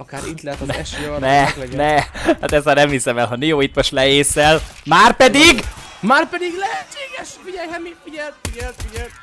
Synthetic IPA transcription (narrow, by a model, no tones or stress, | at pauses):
ɒkaːɾit̪lɛɛt̪ɛɛʃjnɛɛɡnɛhaːt̪ɛzmaːrnɛmhisɛmɛlɦɒnijoːit̪moʃt̪lɛeːsɛlmaːrpɛd̪iɡ | maːrpɛd̪iɡlɛɦɛt͡ʃːeːɡɛʃfiɟɛjhɛmifiɟɛlt̪fiɟɛlt̪fiɟɛlt̪